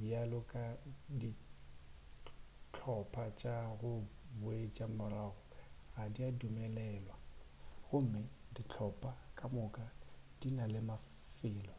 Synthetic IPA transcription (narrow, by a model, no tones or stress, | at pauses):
bialʊkʼadi | t͡ɬʰɔpʰʼat͡ʃʼaɣʊbʊet͡ʃʼamʊraːɣʊɣadiadumɛlɛːlwa | ɣʊm̩mɪdit͡ɬʰɔpʼakʼamʊkʼad̥inalɪma | fɪːlɔ